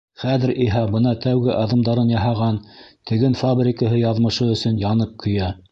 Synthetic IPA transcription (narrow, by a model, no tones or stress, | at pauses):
χæðɘ̆ɾʔiɦɑbɤnɑt̪ʰæwɡɘʔɑðɤ̆md̪ɑɾɤnjɑɦɑʁɑnt̪ɘ̆ɡɘnfabɾʲɪkəɦɤjɑðmɤ̆ʃɤɵ̆sɵnjɑnɤp̚kʰɵ̆jæ